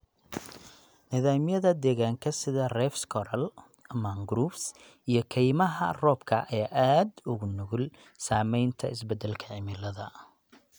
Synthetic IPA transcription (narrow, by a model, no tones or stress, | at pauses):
nɪðaːmjɐðɐd̪ɛːɣaːŋkʰɐsɪðɐrɛfskʰɔɾɐl | maŋɡɾuːfs | ijɞkʰɛjmɐɦɐ̰rɔːbkʰɐʔɐɛʔaːd̪ʊɣʊnʊɣʊl | saːmɛjnt̪ʰɐɪsbɛd̪ɛlkʰɐʕɪmɪlɐðɐ